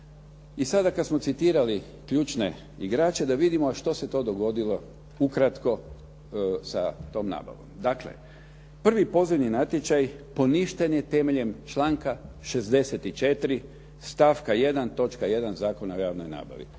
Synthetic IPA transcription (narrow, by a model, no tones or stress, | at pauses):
isad̪akad̪smo̞t̪sit̪iːɾali | kʎuːt͡ʃne̞̰ | iɡɾaːt͡ʃe̞d̪aʋid̪imoaʃt̪o̞se̞t̪o̞ːd̪o̞ɡo̞d̪ilo̞ | ukɾat̪ko̞ | sat̪o̞ːmna̰ːba̰ʋo̞̰md̪aklḛ | pr̩ʋipo̞ziʋninat̪jet͡ʃajpo̞niʃt̪enjet̪e̞me̞ʎe̞mt͡ʃlaːŋka | ʃe̞zd̪e̞set̪it͡ʃe̞t̪ɾi | st̪afkaje̞d̪ant̪o̞t͡ʃkaje̞d̪anzaːko̞naojaːʋno̰jna̰ːba̰ʋḭ